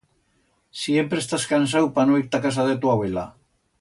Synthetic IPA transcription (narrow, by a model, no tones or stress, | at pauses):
sjempɾest̪askansawpanoiɾt̪akas̬aðet̪uaβela